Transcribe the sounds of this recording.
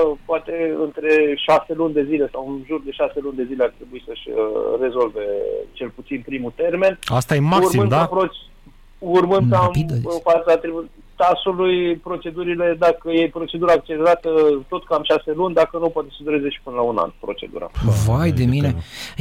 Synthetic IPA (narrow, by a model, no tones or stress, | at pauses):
poat̪e̞ɨnt̪ɾe̞ʃase̞lunʲd̪e̞zile̞sawunʒurd̪e̞ʃase̞lunʲd̪e̞zileart̪ɾe̞buisəʃʲre̞zo̞lve̞t͡ʃe̞lput̪sinpɾimut̪e̞rme̞nast̪ajemakursimɨnd̪apɾot͡ʃ | urmɨnkampid̪fat̪sat̪ɾe | t̪asulujpɾo̞t͡ʃe̞d̪uɾile̞d̪akəjejpɾo̞t͡ʃe̞d̪uɾaːk̚t͡ʃe̞leɾat̪ət̪o̞t̪kamʃase̞lunʲd̪akənupoat̪e̞səd̪uɾe̞ze̞ʃi̥pɨnəlauna̰npɾo̞t͡ʃe̞̰d̪ṵɾa̰vajd̪e̞mine̞